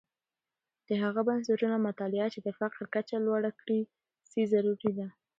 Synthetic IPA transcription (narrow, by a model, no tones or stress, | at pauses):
d̪̥əɦaɣabans̬aɾunamat̪ɑlɪat͡ʃed̪əfaqɾkat͡ʃalwɑɽakɽi | sizaɾuɾid̪a